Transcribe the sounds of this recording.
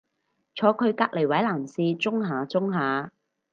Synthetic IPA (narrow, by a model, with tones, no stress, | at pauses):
t͡ʃʰɔː˨˧kʰɵ˨˧ɥkaː˧k̚le˨˩jwɐ˨˥jlaː˨˩msiː˧t͡sʊ˥ŋɦaː˨˧t͡sʊ˥ŋɦaː˨˧